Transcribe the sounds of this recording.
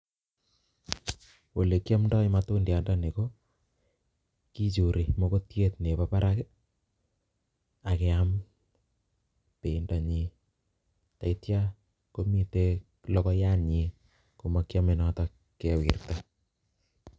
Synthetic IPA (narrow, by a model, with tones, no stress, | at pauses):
wo˨le˨kja˦mndɔ˦i˦matu˦ndja˨nda˦ne˨ko˦ | ki˦t͡ʃu˨ɾi˨mo˦ko˦tje˦tne˨papa˦ɾʔake | a˨ke˨am | pe˨nda˨ɲi˨ | ta˨i˦tja˦ | ko˦mi˦te˦ | lɔ˦kɔ˦ja˦ɲe˨ | ku˨ma˨kja˦me˨nɔta | kːe˨wḭ˨rta